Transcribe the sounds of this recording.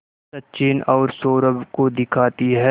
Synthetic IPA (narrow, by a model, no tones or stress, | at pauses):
sɐtːt͡ʃiːnɔːɾsoːɾəbkod̪ɪkʰaːt̪iɦɛː